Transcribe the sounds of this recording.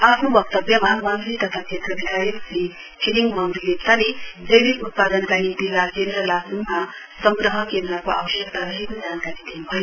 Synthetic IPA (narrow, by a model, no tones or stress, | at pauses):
apʰnobʌk̚t̪ʌbjʌmamamɾit̪ʌt̪ʰakʰet̪ɾʌbikajisi | pʰiliŋɡmamɾiletsaled͡zʌjbit̪ut̪̚pad̪ʌnkaɾit̪ikakend̪ɾʌlasuŋma | sʌŋɡɾʌɦʌkend̪ɾakoa̰bʌʃjʌk̚t̪aɾʌɦikod͡zankaɾid̪enubʱʌi